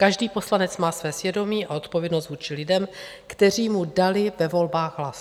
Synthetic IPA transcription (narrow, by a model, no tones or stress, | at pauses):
kaʒdiːpo̞slanɛt͡smaːsvɛːsvjɛdo̞miːʔaot̪po̞vjɛdnos̬t̪vuːt͡ʃɪlɪdɛm | kt̪ɛr̝iːmudalɪvɛvo̞lbaːɣɦlas